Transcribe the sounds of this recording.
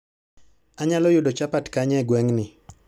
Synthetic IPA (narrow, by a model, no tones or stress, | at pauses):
aɲalɔjʊdot͡ʃapatkaɲɛɡwɛŋnɪ